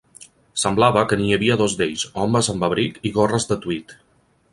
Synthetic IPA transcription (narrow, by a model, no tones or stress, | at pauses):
səmblaβəkəniəβiəðozd̪eʎzɔmbəzəmbəβɾikiɣorəzd̪ət̪uit̪